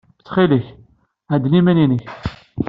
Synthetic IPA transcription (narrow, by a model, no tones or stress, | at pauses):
t͡sːχiləç | ʕæd̪nimæninəç